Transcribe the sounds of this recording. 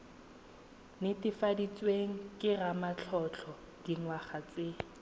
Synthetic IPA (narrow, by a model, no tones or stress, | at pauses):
nɪtɪfadit͡sweŋ̩kʼɪramat͡ɬʰɔt͡ɬʰɔ | d̥iŋwaχat͡se